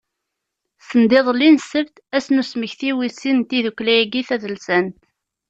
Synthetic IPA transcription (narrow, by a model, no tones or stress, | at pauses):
sənd̪ɪðˤlːinsəvt̪æsnusməçθiwisint̪iðukːlæjɡiθæðəlsænt̪